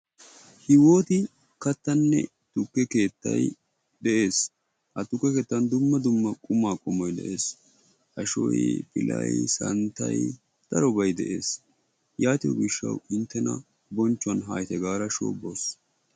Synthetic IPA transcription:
hɪwo̞ːt̪ɪ | kɐt̪ːɐnːɛ̰ | t̪ʊkːɛke̞ːt̪ːɐ̰j | d̪ɛʔe̞ːs | hɐt̪ʊkːɛke̞ːt̪ːɐnd̪ʊmːɐd̪ʊmːɐkʼʊmaːkʼʊmːɔjd̪ɛ̰ʔe̞ːs | hɐʃɔ̰jpɪ̰lʔɐ̰jsɐnt̪ɐj | d̪̥ɐɾɔbɐjd̪ɛ̰ʔe̞ːs | jaːt̪ɪ̰ɡɪʃːɐ̰wɪnt̪ːɛnɐ̰ | bɔnt͡ʃːʊɐnɦaːjt̪ɛɡaːɾɐʃo̰ːbːoːs

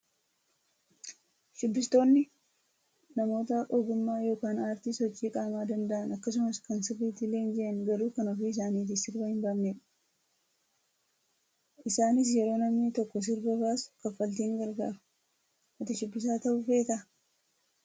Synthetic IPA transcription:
ʃʊbːɪst̪o̞ːnːɪ | nɐmo̞ːt̪ɐʔɔd̪ʊmːaːjo̞ːkaːnaːɾt̪isɔt͡ʃːiːkʼaːmaːd̪ɐnd̪ɐʔɐnɐkːɐs̬ʊmɐskɐnsɪrːiːt̪ɪle̞ːnd͡ʒɛʔɐŋɡɐɾuːkɐnɔfiːɪs̬aːniːt̪̬ɪsɪɾbɐhɪmbamneᶑɐ̥ | ʔɪsaːnɪs̬jɛɾo̞ːnɐmnɪt̪ɔkːɔs̬ɪɾbɐbaːskɐfːɐlt̪iːŋɡɐɾɡa̰ːfɐ̥ | mɐt̪ɐʃɪbːɪs̬aːt̪ɐʔʊfeːt̪ɐ

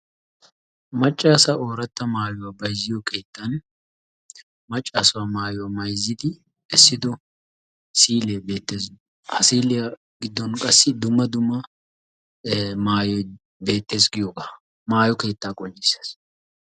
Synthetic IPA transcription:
mɐt͡ʃʼːaːsɐʔoːɾɐt̪ːɐmaːjʊwabɐjzɪjɔkʰe̞ːt̪ʰːɐn | mɐt͡ʃʼːaːsʊwamaːjʊwaːmɐjzːɪd̪ɪ | ɛsːɪd̪ɔ | siːleːbeːt̪ːeːz | hɐsiːlɪjɐ | ɡɪd̪ːɔnkʼɐsːɪd̪ʊmːɐd̪ʊmːɐ | maːjɔ | be̞ːt̪ːe̞ːsɡɪjoːɡaː | maːjɔke̞ːt̪ːaːkʼɔnt͡ʃɪsɐ̥s

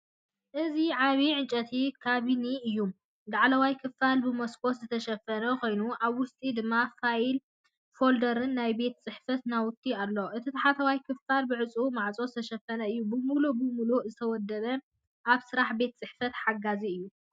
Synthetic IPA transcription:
ʔɨziʕaβiʕɨnt͡ʃʼɐt̪ʰikʰaβiniɨjːum | d̪aʕlɐwajkʰɨfːalbɨmɐskʰo̞t̪zɨt̪ʰɐʃɐfːɐnɐkʰo̞jnuʔaβwʊst̪ʼid̪ɨmːafail | fo̞ld̪ɐɾɨnːajbe̞t̪t͡sʼɨħfɐt̪nawʊt̪ʰːialːoʔɨt̪ʰit̪ʰɐħat̪ʰɐwajkʰɨfalbɨʕɨt͡sʼumaʕt͡sʼozɨt̪ʰɐʃɐfːɐnɐɨjːubɨmulubɨmuluzɨt̪ʰɐwɔd̪ːɐβɐ | ʔaβsɨɾaħbe̞t̪̚t͡sʼɨħfɐt̪ħaɡaziɨjːu

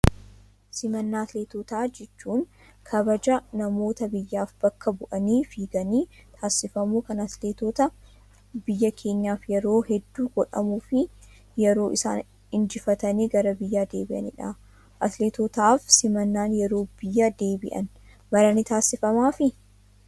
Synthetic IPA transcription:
sɪmɐnːaːɐt̪leːt̪oːt̪aːd͡ʒɛt͡ʃːuːŋ | kʰɐbɐd͡ʒɐnɐmo̞ːt̪ɐbɪjːaːfbɐkːɐbʊʔɐniːfiːɡɐniːt̪ʰaːsɪfɐmuːkɐnɐt̪leːt̪oːt̪ɐ | bɪjːɐkʰe̞ːɲːaːfjɛɾo̞ːhɛd̪ːuːɡ̥ɔᶑɐmuːfɪ | jɛɾo̞ːʔɪsa̰ːn | ɪnd͡ʒɪfɐt̪ɐneːɡɐɾɐbɪjːaːd̪e̞ːbɪʔɐ̰nɪ̰ᶑa | ʔɐt̪leːt̪oːt̪aːfsɪmɐnːaːnjɛɾo̞ːb̥ɪjːad̪eːbɪʔɐ̰n | bɐɾɐnɪt̪aːsːɪfɐmaːfɪ

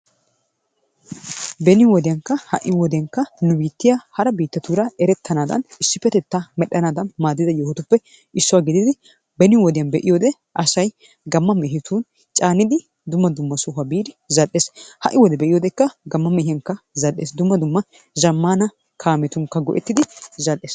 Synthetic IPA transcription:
bɛnɪwɔd̪ɪjɐŋkːɐhɐ̰ʔɪwɔd̪ɪjɐŋkːɐnʊbiːt̪ːɪjahɐɾɐbiːt̪ːɐt̪uːɾɐɛɾɛt̪ʰːɐnaːd̪ɐ̰nɪsːɪpːɛt̪ɛt̪ːamɛɗːɐnaːd̪ɐnmaːd̪ːɪd̪ɐjoːhʊt̪ʊpːɛ | ɪsːʊwaːɡɪd̪ɪd̪ɪ | bɛnɪwɔd̪ɪjɐnbɛʔɪjoːd̪ɛ | ʔɐsɐj | ɡɐmːɐmɛɦɪt̪ʰuːn | t͡ʃʼaːnɪd̪ɪ | d̪ʊmːɐd̪ʊmːɐsʊɦɐbiːd̪ɪzɐʔːeːshɐ̰ʔɪwɔd̪ɛbɛʔɪjoːd̪ɛkːɐɡɐmːɐmɛhɪjɐŋkːɐzɐɗeːsd̪ʊmːɐd̪ʊmːɐ | zɐmːaːnɐ | kʰaːmɛt̪ʊŋkːɐɡɔ̰ʔɛt̪ːɪd̪ɪzɐlːeːs

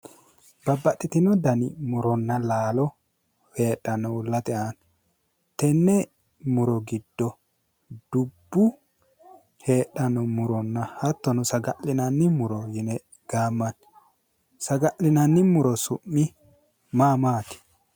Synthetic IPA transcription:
bɐbːɐtːɪt̪ɪnɔd̪ɐnɪmʊɾɔnːɐlaːlɔ | heːɗːɐnːɔʊlːɐt̪ɛʔan | t̪ɛnːɛ | mʊɾɔɡɪd̪̥ːɔ | d̪̥ʊbːʊ | heːɗːɐnːɔmʊɾɔnːɐhɐt̪ːɔnʊsɐɡɐʔɪnɐnːɪmʊɾɔjɪnɛ | ɡ̥aːmːɐn | sɐɡɐʔɪnɐnːɪmʊɾɔsʊmːɪ | maːmaːt̪ɪ̥

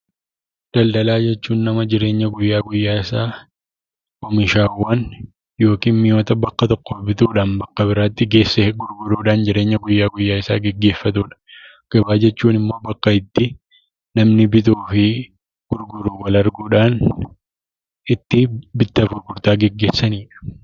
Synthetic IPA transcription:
d̪̥ɐld̪ɐlaːd͡ʒɛt͡ʃːuːnːɐmɐd͡ʒɪɾe̞ːɲːɐɡʊjːaːɡʊjːaːɪsaː | kɔmɪʃaːwːɐn | jo̞ːkiːnmɪjoːt̪ɐbɐkːɐt̪ɔkːoːbɪt̪uːᶑaːnbɐkːɐbɪɾaːt̪ːɪɡe̞ːsːeɡʊɾɡʊɾuːᶑaːnd͡ʒɪɾe̞ːɲːɐɡʊjːaːɡʊjːaːɪsaːɡɛɡːe̞ːfːɐt̪uːᶑɐ̥ | ɡ̥ɐbaːd͡ʒɛt͡ʃːuːnɪmːo̞ːbɐkːɐɪt̪ːɪ | nɐmnɪbɪt̪uːfɪ | ɡ̥ʊɾɡʊɾuːwɐlɐɾɡuːᶑaːn | ɪt̪ːɪbɪt̪ːɐfʊɾɡʊɾt̪aːɡɛɡːe̞ːsːɐniːᶑɐ̥

